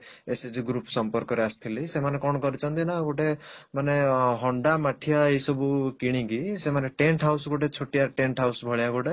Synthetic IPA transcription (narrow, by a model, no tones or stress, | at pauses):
esed͡ʒɡɾupsɔmpɔɾkɔɾeasi̥t̪ʰilisemanekɔɽ̃ɔkɔɾit͡ʃʰɔnt̪inaɡoʈemaneɦɔɳɖamaʈʰiaejsɔbukiɽ̃ĩkisemaneʈeɳʈɦawsɡoʈet͡ʃʰoʈiaʈeɳʈɦawsbʱɔɭijaɡoʈe